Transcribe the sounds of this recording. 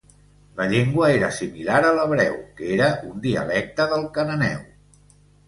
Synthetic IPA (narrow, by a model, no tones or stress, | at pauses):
ləʎeŋɡwəeɾəsimilaɾələβɾɛwkeɾəund̪iə̰lɛk̚t̪əðəlˠkənənɛ̰w